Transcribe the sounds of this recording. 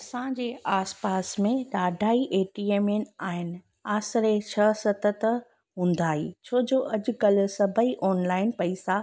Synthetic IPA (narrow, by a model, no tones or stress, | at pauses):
ɐsãd͡ʑeːʔaːspaːsmẽɗaːɖʱaːiʔeːʈiːeːmenaːɦɪnɪ | aːsɾet͡ɕʰɐsɐt̪ət̪ | ɦũːnd̪aːɦḭːt͡ɕʰoːd͡ʑoːʔɐd͡ʑʊkɐlʊ̆sɐbʱəiʔɔːnlaːɪnpɐisa